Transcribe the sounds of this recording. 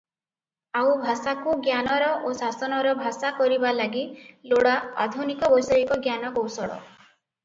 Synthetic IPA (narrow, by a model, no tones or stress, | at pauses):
awbʱasakuɡjanɔɾɔʔosasɔnɔɾɔbʱasakɔɾibalaɡiloɽaa̰d̪ʱunikɔbɔjsɔikɔɡjanɔkowsɔɽɔ̰